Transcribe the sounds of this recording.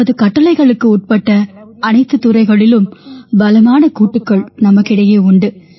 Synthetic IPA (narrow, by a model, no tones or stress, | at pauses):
ɐðɯkɐʈːɐlɐɪɣɐɭɯkːɯuʈ̚pɐʈːɐɐnɐɪt̪ːɯt̪ːʊɾɐɪɣɐɭɪlɯmbɐlɐmaːnɐkuːʈːɯkːɐɭnɐmɐkːɪɽɐjeːʊɳɖɯ